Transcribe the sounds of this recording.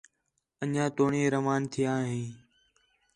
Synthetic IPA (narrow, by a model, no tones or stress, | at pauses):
əɲãːt̪oːɳĩːɾəmaːnt̪ʰɪjãːɦẽː